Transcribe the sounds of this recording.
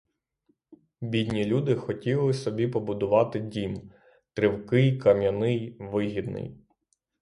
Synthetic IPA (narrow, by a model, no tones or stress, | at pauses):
bʲid̪ʲnʲilʲud̪ɪxɔtʲilˠɪsɔbʲipɔbʊd̪ʊʋɑt̪ɪdʲim | t̪ɾɪwkɪjkɐmʲjɐnɪjʋɪɦʲid̪nɪ̰j